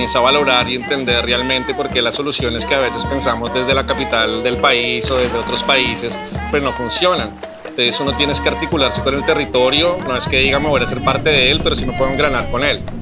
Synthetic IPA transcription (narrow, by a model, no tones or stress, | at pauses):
isaβalo̞ɾaɾie̞nt̪e̞nd̪e̞rrealmẽ̞nt̪e̞po̞ɾke̞laso̞lusjo̞ne̞skeaβ̞e̞se̞spe̞nsamo̞zd̪e̞zd̪e̞lakapit̪ald̪e̞lpaiso̞ðe̞zd̪e̞o̞t̪ɾo̞spaise̞s | peɾono̞funsjo̞nan | t̪eisuno̞t̪je̞neskeaɾt̪ikulaɾseko̞ne̞lt̪e̞rit̪o̞ɾjo̞no̞e̞ske̞ðiɣameβoɾase̞ɾpaɾt̪e̞ðeelpe̞ɾo̞sino̞pweðoŋɡɾanaɾko̞ne̞l